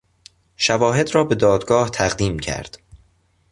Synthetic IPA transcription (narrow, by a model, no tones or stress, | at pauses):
ʃævɒːɦe̞d̪ɾɒːbe̞d̪ɒːd̪ɡɒːht̪ʰæɣd̪iːmcʰæ̰ɾd̪̥